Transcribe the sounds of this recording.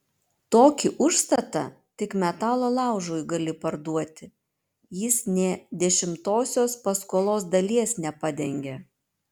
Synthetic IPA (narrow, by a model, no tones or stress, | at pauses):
t̪oːkʲɪʔʊʃst̪ɐt̪ɐ | t̪ʲɪkmʲɛt̪ɑːlˠoːlˠɑˑʊʒoːjɡɐlʲɪpɐɾd̪uɔt̪ʲɪ | jɪsnʲɛd̪ʲɛʃʲɪmt̪oːsʲoːspɐskuːlˠoːs̬d̪ɐlʲiɛsnʲɛpɑd̪ʲɛŋʲɡʲɛ